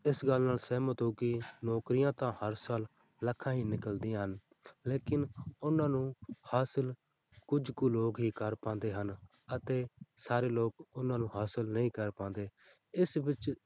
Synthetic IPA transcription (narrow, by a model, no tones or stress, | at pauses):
ɪsɡəlːnaːlsɛːmət̪õːkinɔːkɾɪjãːt̪ãːhəɾsaːl | ləkʰːãːɦiːnɪkəld̪ĩãːɦən | leːkɪnʊnãːnũːhaːsəl | kʊd͡ʒkuːloːkɦiːkəɾpãːnd̪eːɦən | ət̪eːsaːɾeːloːkʊnãːnũːɦaːsəlnəĩːkəɾpãːnd̪eː | ɪsʋɪt͡ʃ